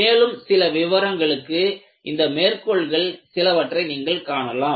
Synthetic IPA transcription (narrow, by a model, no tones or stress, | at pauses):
eːlɯmsɪlɐʋɪʋɐɾɐŋɡɐɭɯkːɯ | ʔɪnd̪ɐmeːrkɔɭɣɐɭsɪlɐʋɐʈrɐɪniːŋɡɐɭkaːɳɐlaːm